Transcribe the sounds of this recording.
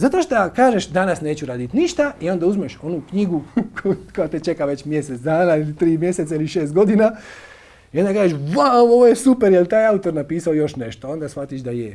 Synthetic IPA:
zat̪o̞ʃt̪akaːʒeʃd̪anasne̞ːt͡ɕuɾaːd̪it̪niʃt̪aio̞nd̪auzmeʃo̞nukɲiɡukokojat̪et͡ʃe̞kaʋe̞t͡ɕmjeset̪d̪aːnailit̪ɾiːmjeset̪ailiʃe̞ːst̪̚ɡo̞d̪ina | iond̪akaːʒeʃʋaooʋojesupeɾjelt̪aːjaut̪o̞ɾnapiːsaojo̞ʃne̞ʃt̪oo̞nd̪asfat̪iʃd̪aje

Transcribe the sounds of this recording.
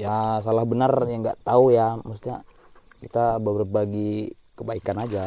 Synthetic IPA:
jasalahbənarjaŋɡaʔt̪aujaməs̬t̪ɲa | kit̪ababəɾap̚aɡi | kəbaikanad͡ʒa

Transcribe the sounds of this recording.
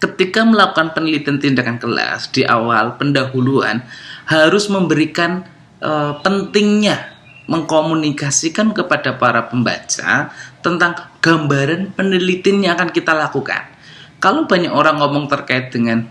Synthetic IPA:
kət̪ikaməlakukanpənilit̪ɪnt̪indakankəla̰sd̥iʔa̰walpəndaɦulua̰nhaɾʊsməmbəɾikan | ʔəpənt̪ɪŋɲa | məŋkomunikasikankəpadapaɾapəmba̰t͡ʃa̰t̪ənt̪aŋɡ̥ambaɾanpənilit̪ɪnɲaːkankit̪alakuka̰n | kalob̥aɲakoɾaŋːɔmɔŋt̪ərkaɪt̪̚d̥əŋan

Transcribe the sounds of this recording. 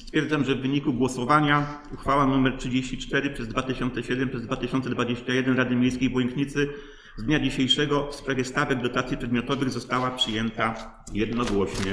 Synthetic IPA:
st̪fʲjɛɾd̪amʐɛvːɘɲikuɡwɔsɔvaɲa | uxfawanumɛɾtʂɘd͡ʑeɕt͡ɕit͡ʂt̪ɛɾɘpʂɛzd̪vat̪ɘɕɔnt̪sɛɕɛd̪ɛmpʂɛzd̪vat̪ɘɕɔnt̪sɛd̪vad͡ʑeɕt͡ɕajɛd̪ɛnɾad̪ɘmʲejskʲejbwɛŋkɲit̪sɘ | zd̪ɲad͡ʑiɕejʂɛɡɔfspʂavʲjɛst̪avɛɡ̚d̪ɔt̪at̪sʲipʂɛd̪mjɔt̪ɔvɘɣzɔst̪awapʂɘjɛnt̪a | jɛd̪nɔɡwɔɕɲɛ

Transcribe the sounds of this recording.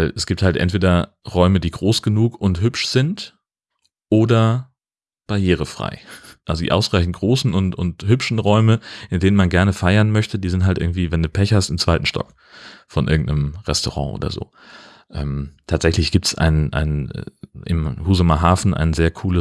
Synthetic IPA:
ɛsɡ̥iːp̚thaltʔɛ̰ntv̥eːdɐ | ʁɔʏmədiːɡʁoːsɡ̥ənuːkʊntɦʏpʃz̥ɪnt | ʔoːdɐ | b̥aɐjeːʁ̞əfʁ̥a̰ɪʔalzodḭːʔaʊsʁ̥aɪçn̩t̚ɡ̥ʁoːsn̩ʊntʊnthʏpʃn̩ʁɔʏməʔɪndeːnənmanɡɛɐnəfaɪɐnmœçtədiːzɪnthaltʔɪɐɡŋ̩tv̥iːvɛnduːpʰɛçhastɪmt͡sv̥aɪtn̩ʃtɔ̰k | fɔnʔɪɐɡŋ̩tnəmʁɛstoʁɑ̰̃ːʔo̰ːdɐ̰zo̰ː | ʔɛ̰ːmtʰaːtz̥ɛçlɪçɡ̥iːp̚tsʔa̰ɪnʔa̰ɪnɛ̰ʔɪ̰mhuːzomɐɦaːfn̩ʔa̰ɪnzeːɐkʰuːlə

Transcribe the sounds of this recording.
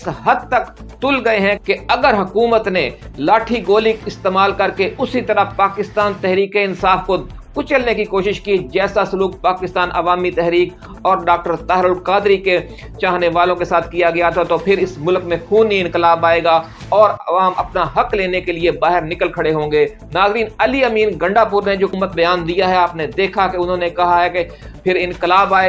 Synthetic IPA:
ɪsɦɐd̪̚t̪ɐk | t̪ʊlɡɐeɦɛ̃keɐɡəɾɦɐkuːmət̪nelaːʈʰiɡoːlɪkɪst̪eːmaːlkɐɾkeʊsit̪ɐɾəpaːkɪst̪aːnt̪ɛɦɾiːkiɪnsaːfko | kʊt͡ʃəlnekikoːʃɪʃkid͡ʒɛːsasʊluːk̚paːkɪst̪aːnʔɐʋaːmit̪ɛɦɾiːk | ɔːɾɖaːk̚ʈəɾt̪aːɦɾʊlkaːd̪ɾike | t͡ʃaːɦneʋaːlõkesaːt̪ʰkijaɡɐjat̪ʰat̪opʰɪɾɪsmʊlkmẽpʰuːniɪ̃nkɪlaːbaːeːɡa | ɔːɾɐʋaːmɐpnaɦɐkleːnekeliebaːɦɪɾnɪkəlkʰɐɽeɦõːŋɡeː | naːzɾiːnɐliəmiːnɡɐ̃ɳɖapʊɾned͡ʒoːmːət̪̚bɐjaːnd̪ijaɦɛaːpned̪eːkʰakeʊnɦõːnekɐɦaɦɛke | pʰɪɾɪ̃nkɪlaːbaːe

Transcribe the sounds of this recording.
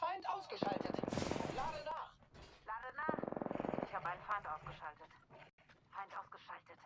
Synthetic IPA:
faɪntʔaʊsɡ̥əʃaltətlaːdənaːχlaːdənaːχʔɪçhaːbəaɪnəfaɪntʔaʊsɡ̥əʃaltət | faɪntʔaʊsɡ̥əʃaltət

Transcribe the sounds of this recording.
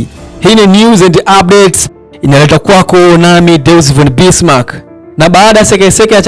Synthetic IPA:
hininjuzɛ̃ndap̚ɗɛts | inalɛtakwakɔnamidɛlz̬vɛ̃nbismak | naɓaːɗajasɛkɛsɛkajat͡ʃ

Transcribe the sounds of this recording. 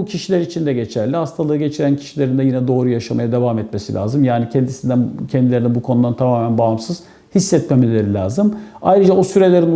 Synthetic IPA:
ucʰiʃilʲeɾit͡ʃʰind̪ɛɟet͡ʃʰæɾlʲihast̪ʰalˠɯɯɟe̞t͡ʃʰiɾæncʰi̥ʃilʲe̞ɾind̪ɛjinɛd̪o̞ːɾujaʃamajad̪e̞vamɛt̪mesḭlʲa̰ːzɯmjaːnicʰɛnd̪isind̪æncʰɛnd̪ilʲeɾinɛbukʰo̞nud̪ant̪ʰamaːmænbaɦamsɯz̥ | hisːɛt̪memilʲeɾilʲaːzɯma̰jɾɯd͡ʒaosyɾe̞lʲeɾin

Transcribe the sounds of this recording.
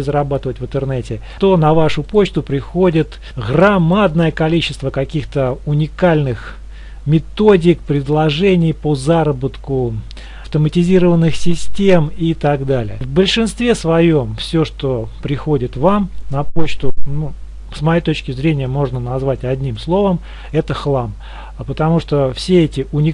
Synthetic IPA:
ɪzɾɐbat̪ɨvətʲvɨnt̪ɨrnɛtʲɪ | t̪o̞nɐvaʂʊpo̞t͡ɕt̪ʊpɾʲɪxo̞dʲɪt̪ | ɣrɐmad̪nəjəkɐlʲit͡ɕɪ̥st̪vəkɐkʲixt̪əʊnʲɪkalʲnɨx | mʲɪt̪o̞dʲɪk̚pɾʲɪd̪lˠɐʐɛnʲɪjpəzaɾəbət̪kʊ | ɐft̪əmətʲɪzʲiɾəvənːɨxsʲɪsʲtʲe̞mit̪aɡd̪alʲɪ̰ə̰vbəlʲʂɨnst̪vʲe̞svɐjo̞mfsʲoʂt̪opɾʲɪxo̞dʲɪt̪vamnɐpot͡ɕt̪ʊnu | smɐjejt̪o̞t͡ɕkʲɪzɾʲenʲɪjəmo̞ʐnənɐzvatʲɐdʲnʲimslˠo̞vəm | ɛt̪əxlˠam | pət̪ɐmuʂt̪ofsʲeɛtʲɪʊnʲɪ

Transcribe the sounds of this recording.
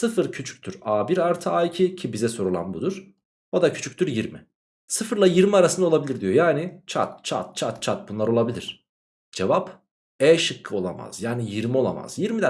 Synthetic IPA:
sɯfɯɾcʰyt͡ʃʰy̥c̚ʲt̪ʰyɾaːbiɾaɾt̪ʰɯaːicʰicʰibizɛso̞ɾulˠa̰nbud̪uɾ̥ | od̪acʰy̥t͡ʃʰyc̚t̪ʰyɾjiɾmi | sɯfɯɾlˠajiɾmiaɾasɯnd̪ao̞lˠabilʲiɾd̪ijo̞jaːnit͡ʃʰa̰t̪t͡ʃʰa̰t̪̚t͡ʃʰat̪t͡ʃʰat̪̚bunlˠaɾo̞lˠabilʲiɾ̥ | d͡ʒevap | ɛːʃɯkʰːɯo̞lˠa̰ma̰z̥jaːnijiɾmio̞lˠa̰ma̰z̥jiɾmid̪æ

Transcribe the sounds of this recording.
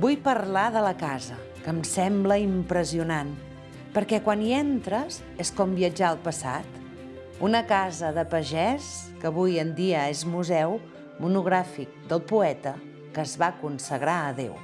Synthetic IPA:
bujpərlaðələkazə | kəmsɛmbləimpɾəziunan | pəɾkɛkwaniɛnt̪ɾəz | eskɔmbiəd͡ʒaəlˠpəsa̰t̪ | unəkazəðəpəʒɛskəβujənd̪iəezmuzɛw | munuɣ̞ɾafik̚d̪əlˠpuɛt̪ə | kəzβakunsəɣɾaəðḛw

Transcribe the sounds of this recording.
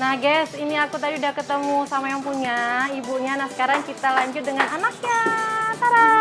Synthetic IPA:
nahɡɛsiniakut̪adiudahkət̪əmusamajaŋpuɲaibuɲanahsə̥kaɾaŋkit̪alaɲd͡ʒʊt̪̚dəŋananak̚ɲat̪aɾa

